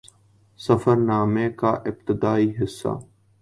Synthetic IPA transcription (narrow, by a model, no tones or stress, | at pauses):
səfəɾnaːmẽːkaːʔɪb̚t̪ɪd̪aːiːɦɪsːa̰ː